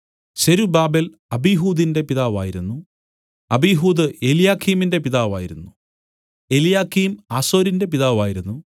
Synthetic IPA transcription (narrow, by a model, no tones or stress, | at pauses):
ɕɐɾubaːbel | ɐbiɦuːd̪inde̞piðaːʋaːjiɾunːu | ɐbijɦuːd̪ɨeljaːkʰːiːminde̞piðaːʋaːjiɾunːu | e̞ljaːkʰːiːmaːso̞ːɾinde̞piðaːʋaːjiɾunːu